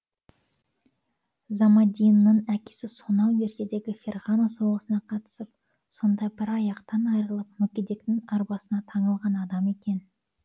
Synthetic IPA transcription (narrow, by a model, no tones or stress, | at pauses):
zɑmɑd̪ʲijnːəɴækʲe̥sɪsonɑwje̞ɾt̪e̞d̪e̞ɡʲɪfʲe̞rʁanaso̞ʁəsənɑqʰɑt̪ə̥səp̚ | so̞nd̪ɑjbɪɾɑjɑqt̪ɑnɑjɾəlˠəp̚mʏkʲed̪e̞kt̪ɪŋɑɾbɑsənɑt̪ʰɑɴəlˠʁɑnɑd̪ɑme̞kʲe̞n